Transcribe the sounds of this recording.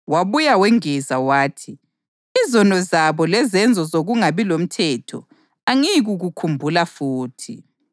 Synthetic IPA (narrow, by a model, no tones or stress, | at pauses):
waβujawɛŋɛzawaːtʰi | izɔnɔzaβɔlɛzɛnd͡zʱɔzoɣuŋaβilom̩tʰɛːtʰɔ̰ | aŋiɣuɣukʰumbʱulafuːtʰi